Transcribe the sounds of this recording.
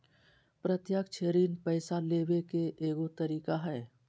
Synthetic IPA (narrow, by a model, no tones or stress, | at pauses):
pɾət̪jaːkt͡ʃʰeːɾiːnpɛːsaleːwekeʔeːɡot̪ɐɾiːkaɦɛː